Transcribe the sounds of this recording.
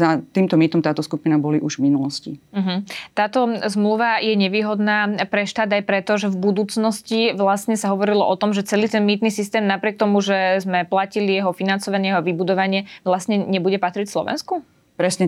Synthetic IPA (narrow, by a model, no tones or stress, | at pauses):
at̪iːmt̪ɔmiːt̪ɔmt̪aːt̪ɔskupinabɔliʔuʒvminulɔscḭm̩ɦm̩t̪aːt̪ɔzmluʋajɛɲɛʋiːɦɔd̪naːpɾɛʃt̪aːd̪ajpɾɛt̪ɔʒɛvbud̪uːt͡snɔsciʋlasɲɛsaɦɔʋɔɾilɔʔɔt̪ɔmʒɛt͡sɛliːt̪ɛnmiːt̪nisist̪ɛːmnapɾɪɛk̚t̪ɔmuʒɛzmɛplacilijɛɦɔfinant͡sɔʋaɲɪɛjɛɦɔʋibud̪ɔʋaɲɪɛʋlasɲɛɲɛbuɟɛpat̪ɾicslˠɔ̰ʋɛ̰nsku | pɾɛsɲɛ